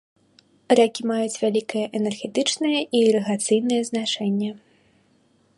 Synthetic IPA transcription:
rakʲimajut͡sʲvʲalʲikɐjɛʔɛnɛrɣʲɛt̪ɨt͡ʂnɨjɐʔiɾɨɣat̪sɨjnɨjɛznat͡ʂɛnʲːɐ

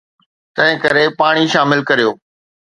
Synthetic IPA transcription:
t̪ɐ̃ɦɪ̃kɐɾepaːɽ̃iʃaːmɪlkɐɾijoː

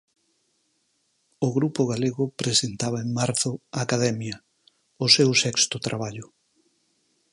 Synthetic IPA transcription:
ʊɣɾupʊɣaleɣʊpɾesent̪aβɐeŋmaɾθʊaːkaðɛmjɐ | ʊsewsɛkst̪ʊt̪ɾaβ̞aʎʊ

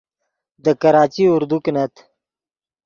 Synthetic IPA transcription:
d̪əkɐɾaːt͡ɕiʊɾd̪uknɐt̪

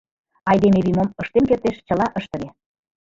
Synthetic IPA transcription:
ɑjd̪emeβimoməʃt̪emkert̪eʃt͡ɕə̆lɑʔəʃt̪ə̆ɣe

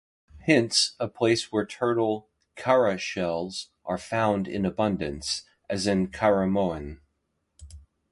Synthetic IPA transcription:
hɪ̃ntsəpʰl̥eɪswə˞tʰɜ˞ɾl̩ˠ | kʰɛɹɨʃɛlˠz | ʔə˞fãʊ̃ndɪ̰̃nɨbʌ̃ndɨ̰̃ns | ʔɨzɨ̃nkʰaɹɨmoʊɨ̃n

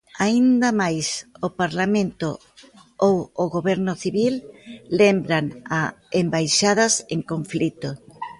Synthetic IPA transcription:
aind̪amajsopaɾlamẽnt̪o | owoɣoβɛɾnʊθiβilːembɾaŋaembajʃað̞ɐseŋkoɱflit̪o

